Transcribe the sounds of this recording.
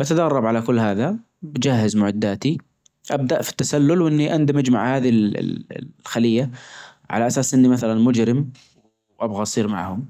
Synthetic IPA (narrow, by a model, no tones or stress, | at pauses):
ʔat̪ad̪ɑrˤːɑbʕalakʊlːhaːða | bd͡ʒaɦːɪzmʊʕɪd̪ːaːt̪i | ʔab̚d̪aʔfi̥t̪ːasalːʊlwʔɪnːiʔand̪ɪmɪd͡ʒma̰ʕhaːðil̰ | xalɪjːa | ʕa̰laʔasaːsʔɪnːimaθalanmʊd͡ʒɾɪm | w | ʔabɣaʔsˤiːɾma̰ʕhʊm